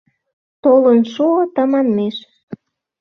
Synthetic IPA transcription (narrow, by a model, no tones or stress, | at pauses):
t̪olənʃuot̪ə̆mɑnmeʃ